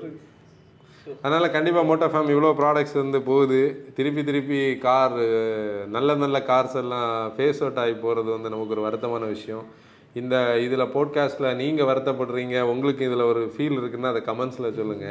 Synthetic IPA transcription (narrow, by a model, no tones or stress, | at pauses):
ɐðɐnaːlɐkɐɳɖɪpːaːmoːʈːɐɾfaːmɪʋːɐɭoːpɪɾaːɽɐk̚ʈsɪɾɯnd̪ɯpoːðɯt̪ɪɾɯp̬ːit̪̬ɪɾɯpːikaːɾ | nɐlːɐnɐlːɐkaːɾsɐlːãːfeːsoːʈːaːɣipoːɾɐðɯʋɐnd̪ɯnɐmɐkːɯɔɾɯʋɐɾɯt̪ːɐmaːnɐʋɪʂɐjɔ̃ | ɪnd̪ɐɪðɯlɐpoːɖkaːsʈlɐniːŋɡɐʋɐɾɯt̪ːɐpːɐɽɯɾiːŋɡɐʊŋɡɐɭɯkːɯ̃ɪðɯlɐɔɾɯfiːlɪɾɯkːɯnːaːnðɐkɐmɛnslɐsɔlːɯŋɡɐ